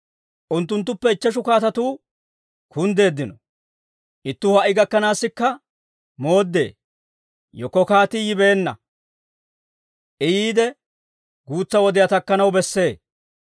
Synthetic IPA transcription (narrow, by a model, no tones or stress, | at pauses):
ʔʊnt̪ːʊnt̪ːʊpːɛɪt͡ʃːɐʃ̬ʊkaːt̪ɐt̪uː | kʊnd̪e̞ːd̪ːɪnɔ | ʔɪt̪ːʊhɐʔɪɡɐkːɐnaːsːɪkːɐ | mo̞ːd̪ːe̞̰ː | jɔkːɔkaːt̪ɪjɪbe̞ːnːɐ̰ | ʔɪjiːd̪ɛ | ɡuːt͡sːɐwɔd̪ɪjat̪ɐkːɐnɐwbɛsːe̞ː